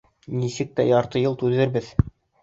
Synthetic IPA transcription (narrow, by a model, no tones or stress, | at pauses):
nisɘk̚t̪æjɑɾt̪ɤjɤlˠt̪ʉðɘ̆ɾbɘð